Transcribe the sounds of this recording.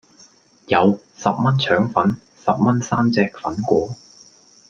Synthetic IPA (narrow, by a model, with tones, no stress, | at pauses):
jɐ˨˧w | sɐ˨p̚mɐ˥nt͡ʃʰœː˨˥ŋfɐ˨˥n | sɐ˨p̚mɐ˥nsaː˥mt͡sɛː˧k̚fɐ˨˥nkʷɔː˨˥